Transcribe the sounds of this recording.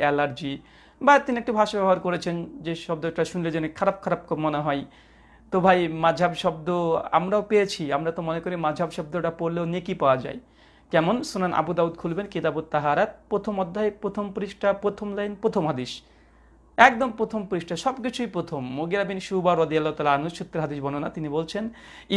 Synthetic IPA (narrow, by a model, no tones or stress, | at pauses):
elaɾd͡ʑi | bat̪iniek̚ʈubʱaʃabɛɦoaɾkoɾet͡ɕʰend͡ʑeʃɔb̚d̪oɛkʈaʃunled͡ʑenekʰaɾab̚kʰaɾab̚kʰubmoneɦɔej | t̪obʱajmad͡ʑʱabʃɔb̚d̪oa̰mɾaopejet͡ɕʰiamɾat̪omonekoɾimad͡ʑʱabʃɔb̚d̪oʈapoɾleonekipaoad͡ʑa̰e | kɛmonsunanʔa̰bud̪aud̪kʰulbenket̪abod̪̚t̪ːaɦaɾat̪̚pɾot̪ʰomɔd̪ʱːaepɾot̪ʰompuɾiʃʈʰapɾot̪ʰomlajnpɾot̪ʰomɦad̪iʃ | ɛk̚d̪ompɾot̪ʰompuɾiʃʈʰaʃɔbkit͡ɕʰujpɾot̪ʰomːoɡiɾabinʃubaɾɔd̪ijalːaot̪alaanuʃut̪ːeɾɦad̪iʃbɔnonat̪inibolt͡ɕʰen